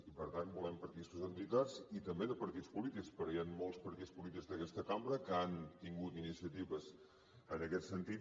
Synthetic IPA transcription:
ipəɾt̪anbulɛmpəɾt̪isuzənt̪it̪azit̪əmbeðəpəɾt̪ispulit̪ikspəɾɔjanmolˠspəɾt̪ispulit̪iɡzðəkɛst̪əkambɾəkəant̪iŋɡut̪inisiət̪iβəz | ənəkɛt̪sənt̪i

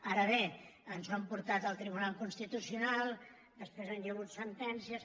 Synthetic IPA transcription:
aɾəβeənzuəmpuɾt̪at̪əlˠt̪ɾiβunalˠkunst̪it̪usiunalˠ | d̪əspɾezanjəɣ̞ut̪sənt̪ɛnsiəs

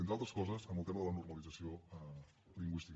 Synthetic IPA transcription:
enalˠt̪ɾəskɔzəzəmbəlˠt̪eməðələnurməlid͡zəsioɛ | liŋɡwist̪ik

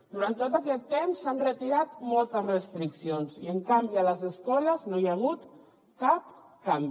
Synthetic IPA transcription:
d̪uɾant̪ot̪akɛt̪ːemsːanrət̪iɾat̪mɔlˠt̪əzrəst̪ɾiksionsiəŋkambiələzəskɔləznojaɣ̞ut̪ | kap̚ | kambi

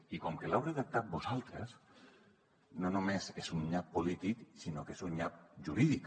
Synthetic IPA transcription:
ikɔmkelawɾeðək̚t̪at̪̚bozalˠt̪ɾəs | nonomesezunʎapːolit̪iksinokezunʎap̚ʒuɾiðik

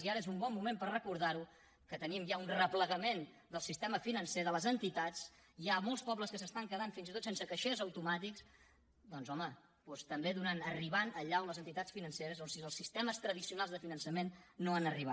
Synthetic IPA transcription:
ziaɾəezumbɔmːumempərrəkuɾð̞aɾu | kət̪ənimʒaunrəpləɣəmen | d̪əlˠsist̪ɛməfinənseðələzənt̪it̪at͡siamolˠspɔβləskəsəst̪aŋkəðanfinzit̪ot̪sensəkəʃezəwt̪umat̪iks | d̪ɔnzɔmə | pɔst̪əmbeðunanəriβanəʎaumləzənt̪it̪at͡sfinənseɾəzonsiəlˠsist̪ɛməst̪ɾəðisiunalˠzðəfinənsəmenːoanəriβa

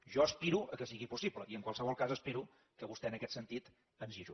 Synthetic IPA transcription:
ʒɔəspiɾuʔəkəsiɣipusipləʔiəŋkwalsəβɔlˠkazəspeɾu | kəβust̪ɛənəkɛt̪sənt̪it̪ | ənziʒu

